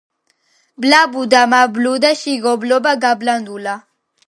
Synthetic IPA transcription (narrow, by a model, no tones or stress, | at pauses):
blabud̪amablud̪aʃiɡoblobaɡabland̪ula